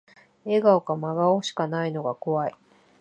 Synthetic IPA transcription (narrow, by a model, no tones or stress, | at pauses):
e̞ɡaokamaɡaoɕi̥kanaino̞ɡako̞βai